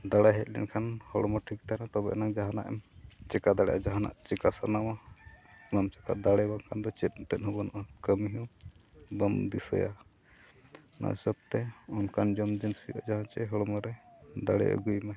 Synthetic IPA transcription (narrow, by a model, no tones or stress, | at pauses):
d̪aɽaɦɛt̪̚lɛ̰nkʰanhɔɽɔmɔʈʰik̚t̪anat̪ɔbɛ̰ʔnaŋd͡ʒaɦana̰ʔɛmt͡ʃɛkad̪aɽɛʔad͡ʒaɦana̰ʔt͡ʃɛkasanawa | bamt͡ʃɛk̪aʔd̪aɽɛbaŋkʰand̪ɔt͡ʃɛt̪̚t̪ɛt̪̚hɔbɔnɔʔakəmiɦɔ | bamd̪isə̰ja̰ | na̰səb̚t̪ɛɔnkʰand͡ʒɔmd͡ʒɛnsiɔ̰ʔa̰d͡ʒaɦat͡ʃɛɦɔɽɔmɔɾɛd̪aɽɛ̰ə̰ɡujma